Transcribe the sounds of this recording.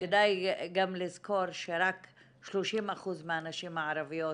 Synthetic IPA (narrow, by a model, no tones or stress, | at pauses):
ked̪ajɡamlizko̞ɾʃeɾak | ʃloʃimaχuzmeanaʃimaʕaɾavijo